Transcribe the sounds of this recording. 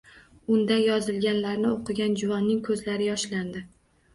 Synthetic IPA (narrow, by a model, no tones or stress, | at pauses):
ʊnd̪ajɒzɪlɡʲanlaɾnɪoqʰɨɡʲand͡ʒʊvanːɪŋkʰɵzlaɾɪjɒʃland̪ɪ